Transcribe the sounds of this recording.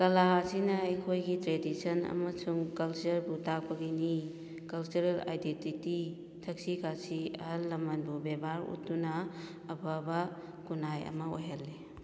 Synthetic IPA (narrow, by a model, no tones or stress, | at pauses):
kɐlasinɐːjkʰojɡitɾedisɐnɐ̰mɐsuŋkɐlt͡ʃɐɾbutakɐbini | kɐlt͡ʃuɾela̰jdentiti | tʰɐk̚sikʰasiɐlːɐmɐnbubebaɾṵt̚dunaː | babɐ | kunajɐ̰mɐojɦalːe